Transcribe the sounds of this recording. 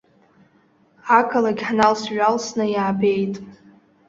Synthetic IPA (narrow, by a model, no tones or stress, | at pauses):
akʰalaɡʲħnalsɥalsnɨjaːbe̞jtʼ